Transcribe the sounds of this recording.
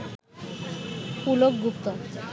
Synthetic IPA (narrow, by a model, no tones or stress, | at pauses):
pulok̚ɡup̚t̪ɔ